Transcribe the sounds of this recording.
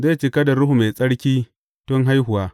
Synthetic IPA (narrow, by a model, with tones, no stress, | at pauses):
ze˦˨t͡ʃi˦kɐ˦da˨ɽʊ˦hu˨me˨sʼɐ˦ɽkʲiː˦ | tʊ˦ŋɦa˦jɦʊ˨waː˦